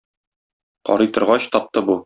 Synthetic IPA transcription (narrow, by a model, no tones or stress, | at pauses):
qɒ̰ɾɤ̆jt̪ɤ̆ɾʁɑɕt̪ɒp̚t̪ɤbu